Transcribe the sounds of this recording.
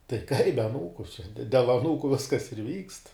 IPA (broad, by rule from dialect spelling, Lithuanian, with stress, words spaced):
tɐɪ kɐɪp bʲɛ ɐˈnuːkʊ t͡ʃʲɛ dʲɛ dʲɛlˠ ɐˈnuːkʊ ˈʋʲɪskɐs ɪr ʋʲiːkst